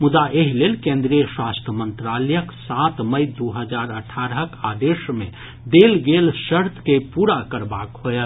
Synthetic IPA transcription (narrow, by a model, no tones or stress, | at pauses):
mʊd̪aʔeɦilelkẽnd̪ɾijəswast̪ʰəmə̃nt̪ɾaləjəksat̪məjd̪oɦəd͡ʒaɾəʈʰaɾəɦəkad̪eʃmẽ | d̪elɡelʃəɾt̪ʰkepuɾakəɾbakɦhoel